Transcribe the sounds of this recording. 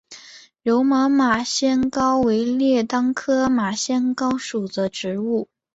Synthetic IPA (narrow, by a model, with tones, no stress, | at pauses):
ɻo˧˥ʊma˧˥ma˨˩ɕjɛ˥nkɑ˥ʊwe˧˥ɪljɛ˥˩t̪ɑ˥ŋkʰɤ˥ma˨˩ɕjɛ˥nkɑ˥ʊʂu˨˩də˦ʈ͡ʂɻ̩˧˥u˥˩